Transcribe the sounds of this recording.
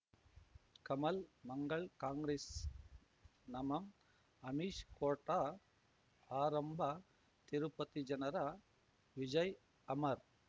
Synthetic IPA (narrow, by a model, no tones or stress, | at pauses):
kɐmɐlmɐŋɡɐɭkaːŋɡɾeːs | nɐmɐm | ɐmiʃkoːʈa | aːɾɐmbʱɐ | t̪iɾupɐt̪id͡ʒɐnɐɾɐ | ʋid͡ʒɐj | ɐmɐɾ